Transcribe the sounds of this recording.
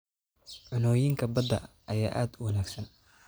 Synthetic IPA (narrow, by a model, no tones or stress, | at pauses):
ʕʊnɔːjɪŋkʰɐbɐd̪ɐ̰ | ʔɐjaːʔaːd̪ʊwɐnaːɡsɐn